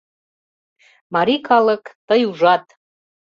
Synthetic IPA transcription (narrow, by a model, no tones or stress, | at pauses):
maɾikʰaləkʼt̪əjuʐat̪ʼ